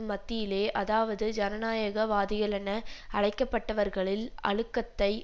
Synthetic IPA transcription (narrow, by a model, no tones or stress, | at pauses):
mːɐt̪ːɪjɪleːʔɐðaːʋɐðɯd͡ʒɐnɐnaːjɐɣɐʋaːðɪɣɐlɐnɐɐɻɐɪkːɐpːɐʈːɐʋɐɾɣɐɭɪlɐ̰ɻɯkːɐt̪ːɐɪ